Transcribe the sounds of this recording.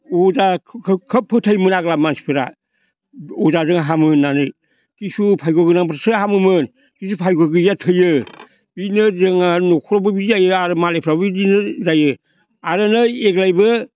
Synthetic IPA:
ɔzakʰkʰəpʰːɯtʰajmɯnaɡlamansi̥pʰɯɾa̰ | ɔzazɯŋaɦamɯnːanɯj | kisupʰajɡoɡɯnaŋbɾasɯɦamɯmɯn | kis̬upʰajɡoɡɯjatʰɯjɯ | b̥inɯzɯŋanokʰɾobɯbizajɯaɾɯmalepʰɾabidinɯzajɯ | aɾɯnɯeɡlajbɯ

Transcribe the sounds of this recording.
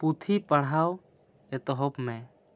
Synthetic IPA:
put̪ʰipəɽ̤aw | ɛt̪ɔɦɔpmɛ̃

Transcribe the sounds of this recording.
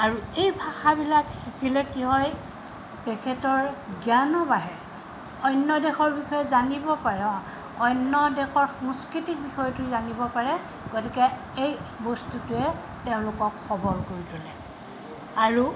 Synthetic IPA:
aɹuejbʱaxabilakxikʰilɛkiɦɔj | tekʰɛtɔɹɡjanɔbaɦɛ | ɔjnːɔdexɔɹbixɔjɛzanibɔpaɹɔ | ɔjnːɔdexɔɹxɔ̃ŋskɹitik̚bixɔjɔtʊzanibɔpaɹɛ | ɡ̥otikɛ | ejbɔstutʊɛ | teʊ̃lʊkɔkxɔbɔɹkoɹitʰulɛ | aɹu

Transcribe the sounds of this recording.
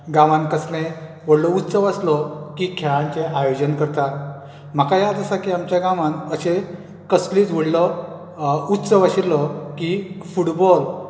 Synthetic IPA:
ɡãʋãnkəsnẽ | ʋəɽlɔut̪səʋaslɔkikʰɛɭãnt͡seʔajod͡ʑənkəɾt̪a | m̤akajad̪əsakiamt͡ɕjaɡãʋãnəɕe | kəsliːt͡sʋəɽlɔ | ut̪səʋaɕiɾlɔkifuʈbɔl

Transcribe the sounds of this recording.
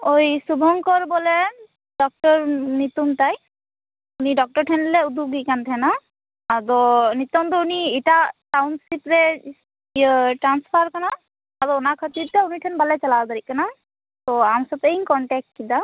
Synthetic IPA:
ojsubʱɔŋkɔɾbɔle | ɖɔk̚ʈɔɾnit̪umt̪aj | uniɖɔk̚ʈɔɾʈʰɛnleud̪ʱuɡikant̪ʰɛna | ad̪ɔnit̪ɔmt̪ɔunieʈasawnsipɾe | ʈɾanspʰaɾkanaː | d̪ɔɔnakʰət̪idʈauniʈʰɛnbalɛt͡ʃalad̪aɾiʔ̚kana | t̪ɔamsɔt̪einkɔɳʈɛk̚ʈ̚kid̪a

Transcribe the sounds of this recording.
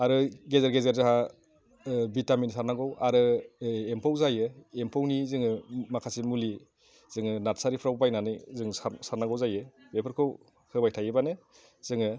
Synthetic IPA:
aɾɯɡezaɾɡezaɾzaɦa | bitaminsaɾnaɡɔwaɾɯempʰawzajɯempʰawnizɯŋɯmakʰasimuli | z̥ɯŋɯnatsaɾipʰɾawbajnanɯzɯŋsaɾnaŋɡɔwzajɯ | bepʰɯɾkʰɯw | hɯbajtʰajɯbanɯ | z̥ɯŋɯ

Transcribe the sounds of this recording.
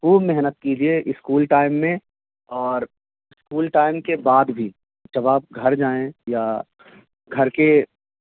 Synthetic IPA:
kuːmɛɦnət̪̚kid͡ʒieʔɪskuːlʈaːɪmːẽ | ɔːɾ | ɪskuːlʈaːɪmkebaːd̪bʱi | d͡ʒɐbaːp̚ɡʱɐɾd͡ʒaːẽja | ɡʱɐɾke

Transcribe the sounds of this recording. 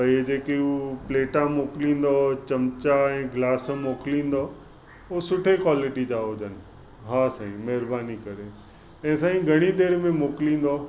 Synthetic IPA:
pɐid͡ʑeːkeupleːʈãmoːklĩːn̆d̪ot͡ɕɐmt͡ɕaɛ̃ːɡlaːsmoːklĩːnd̪o | osʊʈʰekwaːlɪʈid͡ʑaːod͡ʑʱənɪ̆ | ɦaːsaːɦĩmɛɦɪɾbaːnikɐɾe | ɛ̃ːsaːɦĩɡʱɐɽ̃id̪eːɽmẽmoːklĩːn̆d̪o

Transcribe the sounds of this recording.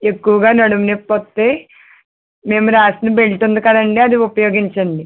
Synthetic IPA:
e̞kːuʋɐɡaːnɐɽuʋɐnepːot̪ːe̞ː | me̞ːmuɾaːsinibe̞ɭʈund̪ukɐd̪ɐɳɖiɐd̪iupɐjo̞ːɡiɲt͡ʃɐɳɖi

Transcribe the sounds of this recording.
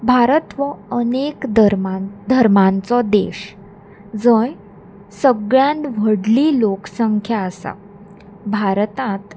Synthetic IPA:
bʱaɾət̪ʋəənekd̪əɾmad̪ʱəɾmãnt͡sɔd̪ḛɕ | d͡zə̃j | səɡɭjãnd̪ʋəɽliːloksəŋkʰjaəsa̰ | bʱaɾt̪ãt̪

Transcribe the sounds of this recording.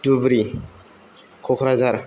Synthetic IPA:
d̥ubɾi | kʰokɾazaɾ

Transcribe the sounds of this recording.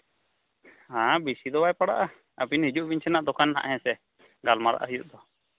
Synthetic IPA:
hãbisid̪ɔbajpaɽa̰ʔa | apinhid͡ʒuʔbiɲt͡ʃʰɛnaʔd̪ɔkʰanha̰ʔɦɛ̃sɛ | ɡalmaɾa̰ʔa̰ɦijuʔ̚d̪ɔ

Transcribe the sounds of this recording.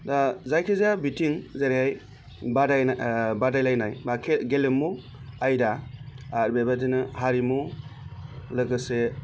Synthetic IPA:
dazajkʰizabitiŋzaɾiɦaj | badajnabadajlajnajbakʰeɡelɯmːu | ajdaː | ɾbebadinɯhaɾimu | lɯɡɯse

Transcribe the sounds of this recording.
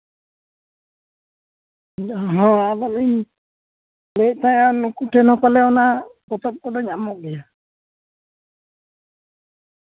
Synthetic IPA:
ɦɔ̃abaliɲ | leˀt̪ajanukuʈʰɛnɔpalɛɔnapɔt̪ɔp̚kɔdɔɲamɔk̚ɡɛja

